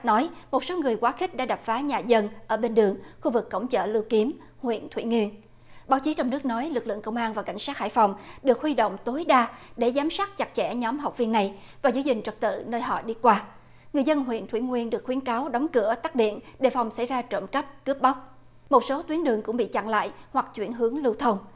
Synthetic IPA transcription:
nɔ˨˦jmo˨˩t̚so˨˦ŋɨ˨˩əjkwaː˨˦xï˦˥k̚ɗa̰ː˧˥ɗa˨˩p̚faː˨˦ɲaː˨˩zə˧nʔəː˧˩ɓe˧nɗɨ˨˩əŋxu˧vɨ˨˩kːə̰˧˩wŋ͡mt͡ɕə̰ː˧˨lɨ˧wki˨˦əm | hwḭ˧˨ənt̪ʰwi˧˩ŋwi˧ən | ɓaː˨˦wt͡ɕi˨˦t͡ɕɔ˧wŋ͡mnɨ˦˥ək̚nɔ˨˦jlɨ˨˩k̚lɨ̰˧˨əŋkə˧wŋ͡mʔaː˧nvaː˨˩ka˧˩jŋ̟saː˦˥t̚ha̰ː˧˥˨jfa˨˩wŋ͡mɗɨ˨˩ək̚hwi˧ɗo̰˧˨wŋ͡mt̪o˨˦jɗaː˧ɗe˧˩zaː˨˦msaː˦˥t̚t͡ɕa˨˩k̚t͡ɕɛ̰˧˩ɲɔ˨˦mɦa˨˩wk͡p̚vi˧ənːa˨˩j | vaː˨˩zɨ˧˦zï˨˩ŋ̟t͡ɕə˨˩t̚t̪ɨ̰˧˨nəː˧jɦɔ̰˧˨ɗi˧kwaː˧ | ŋɨ˨˩jzə˧nɦwḭ˧˨ənt̪ʰwi˧˩ŋwi˧ənɗɨ˨˩ək̚xwi˨˦ənkaː˨˦wɗɔ˨˦wŋ͡mkɨ˧˩ət̪aː˦˥k̚ɗḭ˧˨ənɗe˨˩fa˨˩wŋ͡msa̰˧˩jzaː˧t͡ɕə̰˧˩nkə˦˥p̚kɨ˦˥əp̚ɓa˦˥wk͡p̚ | mo˨˩t̚so˨˦t̪wi˨˦ənɗɨ˨˩əŋkʊ̰˧˥ŋ͡mɓḭ˧˨t͡ɕa̰˧˨ŋla̰ː˧˨jhwa˨˩k̚t͡ɕwi˧˩ənɦɨ˨˦əŋlɨ˧wt̪ʰə˧wŋ͡m

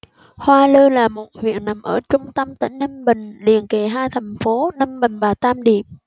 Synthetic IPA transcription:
hwaː˧ləː˧laː˨˩mo˨˩t̚hwḭ˧˨ənna˨˦mʔəː˧˩t͡ɕʊ˧ŋ͡mt̪ə˧mt̪a̰ː˧˥˦jnə˧nɓï˨˩ŋ̟lḭ˨ənke˨˩ɦaː˧jt̪ʰɛ˨˩ŋ̟fo˨˦nə˧mɓï˨˩ŋ̟vaː˨˩t̪aː˧mɗḭ˧˨əm

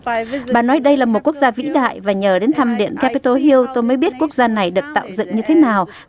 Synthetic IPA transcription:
ɓaː˨˩nɔ˨˦jɗə˧jlaː˨˩mo˨˩t̚ku˦˥ək̚zaː˧vḭ˧˥ɗa̰ː˧˨jvaː˨˩ɲəː˨˩ɗe˨˦nt̪ʰa˧mɗḭ˧˨ənka˧˥pi˧t̪o˧ɦi˧əwt̪o˧jməː˨˦jɓi˦˥ət̚ku˦˥ək̚zaː˧na˨˩jɗɨ˨˩ək̚t̪a̰ː˧˨wzɨ̰˧˨ŋɲɨ˧t̪ʰe˨˦naː˨˩w

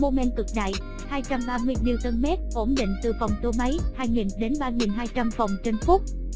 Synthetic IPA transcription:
mo˧mɛ˧nkɨ˨˩k̚ɗa̰ː˧˨j | haː˧jt͡ɕa˧mɓaː˧mɨ˧əjli˧wt̪ə˧nmɛ˦˥t̚ʔo˧˦˩mɗḭ̈˧˨ŋ̟t̪ɨ˨˩fɔ˨˩wŋ͡mt̪o˧ma˨˦jhaː˧jŋi˨˩nɗe˨˦nɓaː˧ŋi˨˩nɦaː˧jt͡ɕa˧mfa˨˩wŋ͡mt͡ɕə˧nfʊ˦˥k͡p̚

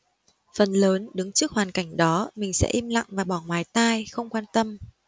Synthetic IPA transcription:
fə˨˩nləː˨˦nɗɨ˨˦ŋt͡ɕɨ˦˥ək̚hwaː˨˩nka˧˩jŋ̟ɗɔ˨˦mï˨˩ŋ̟sɛ̰˧˥ʔi˧mla̰˧˨ŋvaː˨˩ɓɔ˧˩ŋwaː˨˦jt̪aː˧jxə˧wŋ͡mkwaː˧nt̪ə˧m

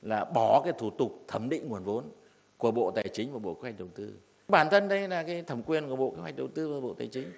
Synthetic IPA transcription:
laː˨˩ɓɔ˧˩kaː˨˦jt̪ʰu˧˩t̪ʊ˨˩k͡p̚t̪ʰə˨˧˩mɗḭ̈˧˨ŋ̟ŋu˨˩ənvo˨˦n | ku˧˩əɓo̰˧˨t̪aː˨˩jt͡ɕï˨˦ŋ̟vaː˨˩ɓo̰˧˨ki˧˦wa˨˩k̟̚ɗə˨˩wt̪ɨ˧ | ɓaː˧˩nt̪ʰə˧nɗə˧˦jlaː˨˩kaː˨˦jt̪ʰə˨˧˩mkwi˧ənku˧˩ə˩ɓo̰˧˨ki˧˦wa˨˩k̚ɗə˨˩wt̪ɨ˧vaː˨˩ɓo̰˧˨t̪aː˨˩jt͡ɕï˨˦ŋ̟

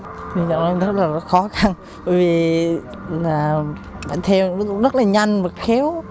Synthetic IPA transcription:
t̪ʰi˨˩zɔ̰˧˨ŋɔ˨˧˦zə˦˥t̚laː˨˩zɔ˨˦xɔ˨˦xa˧˩n | ɓə̰˧˨jvi˨˩ | laː˨˩ | ɓa̰ː˧˨nt̪ʰɛ˧wzṵ˧˨˥zə˦˥laː˨˩ɲa˧jŋvaː˨˩xɛ˨˦w

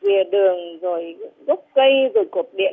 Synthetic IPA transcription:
vi˨˩əɗɨ˨˩əŋzo˨˩jɣʊ˦˥k͡p̚kə˧jzo˨˩jku˨˩t̚ɗḭ˧˨

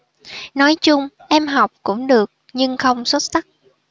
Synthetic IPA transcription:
nɔ˨˦jt͡ɕʊ˧ŋ͡m | ʔɛ˧mɦa˨˩wk͡p̚kʊ̰˧˥ŋ͡mɗɨ˨˩ək̚ɲɨ˧ŋxə˧wŋ͡mswə˦˥t̚sa˦˥k̚

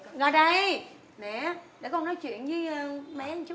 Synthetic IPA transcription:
ŋə˨˩ɗə˧j | nɛ˧˨˩ɗe˧˩kɔ˧nɔ˨˦jt͡ɕwḭ˧˨ənzɨ˨˦˧mɛ˧˨˦t͡ɕʊ˦

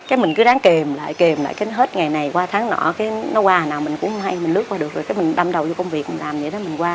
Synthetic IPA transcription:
kaː˨˦jmï˨˩ŋ̟kɨ˨˦ɗaː˨˦ŋke˨˩mla̰ː˧˨jke˨˩mla̰ː˧˨jkaː˨˦ɦe˦˥t̚ŋa˨˩jna˨˩jkwaː˧t̪ʰaː˨˦ŋnɔ̰˧˩kaː˨˦jnɔ˨˦kwaː˧˨˩naː˨˩wmi˨˩ŋ̟kʊ̰˧˥ŋ͡mhŋ͡mha˧jmi̟˨˩lɨ˦˥k̚kwaː˧ɗɨ˨˩ək̚zo˨˩kaː˨˦mi˨˩ŋ̟ɗa˧mɗə˨˩wt͡ɕɔ˧kə˧wŋ͡mvi˨˩ək̚mi˨˩ŋ̟laː˨˩mɗḭ˧˩˦ɗɔ˨˦mï˨˩ŋ̟kwaː˧

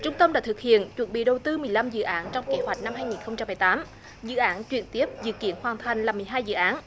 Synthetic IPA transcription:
t͡ɕʊ˧ŋ͡mt̪ə˧mɗa̰ː˧˥t̪ʰɨ˨˩k̚hḭ˧˨ənt͡ɕwə˨˩nɓḭ˧˨ɗə˨˩wt̪ɨ˧mɨ˨˩əjla˧mzɨ̰˧˨ʔaː˨˦nt͡ɕɔ˧wŋ͡mke˨˦hwa˨˩jt̚na˧mhɦaː˧jŋi˨˩nxə˧wŋ͡mt͡ɕa˧mːɨ˨˩jt̪aː˨˦m | zɨ̰˧˨ʔaː˨˦nt͡ɕwḭ˧˩ənt̪i˦˥əp̚zɨ̰˧˨kḭ˧˥ənhwaː˨˩nt̪ʰa˨˩jŋ̟laː˨˩mɨ˨˩əjɦaː˧jzɨ̰˧˨ʔaː˨˦n

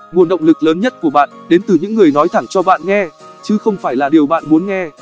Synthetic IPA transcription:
mu˧˨ənɗə̰˧˨wŋ͡mlɨ˨˩k̚ləː˨˦nɲə˦˥t̚ku˧˩əɓa̰ː˧˨nɗe˨˦nt̪ɨ˨˩ɲɨ̰˧˥ŋːɨ˨˩əjnɔ˨˦jt̪ʰa˧˩ŋt͡ɕɔ˧ɓa̰ː˧˨nŋɛ˧ | t͡ɕɨ˨˦xə˧wŋ͡mfaː˧˩jlaː˨˩ɗi˨˩əwɓa̰ː˧˨nmu˨˦ənŋɛ˧

